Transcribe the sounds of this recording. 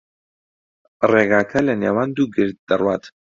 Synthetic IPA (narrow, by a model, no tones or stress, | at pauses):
reːɡaːkʰɐlɐneːwaːnd̪uːɡɨɾt̪̚d̪ɐrwaːt̪